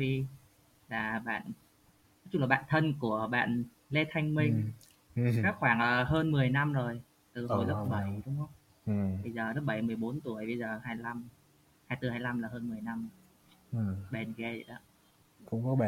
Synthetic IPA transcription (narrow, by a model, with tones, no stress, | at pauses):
xi˧ | laː˨˩ɓa̰ː˧˨n | ɔ˨˦t͡ɕu˧˩laː˨˩ɓa̰ː˧˨nt̪ʰə˧nku˧˩əɓa̰ː˧˨n | le˧t̪ʰa˧jŋ̟mï˧ŋ | kaː˦˥xwaː˧˩ŋʔə˨˩ɦəː˧nmɨ˨˩əjna˧mzo˨˩j | t̪ɨ˨˩ɦo˧˩jlə˦˥ɓə˧˩jɗʊ˨˦ŋ͡mʔə˦wŋ͡m | ə˧jzəː˨˩lə˦˥p̚ɓə˧˩jmɨ˨˩əjɓo˨˦nt̪u˧˩əjɓə˧jzəː˨˩haː˧jla˧m | haː˧jt̪ɨ˨˩haː˧jla˧mlaː˨˩ɦəː˧nmɨ˨˩əjna˧mː˨˩˨ | ɓe˨˩nɣe˧zḭ˧˨ɗɔ̰˧˦ | kʊ̰˧˥ŋ͡mkɔ˨˦˨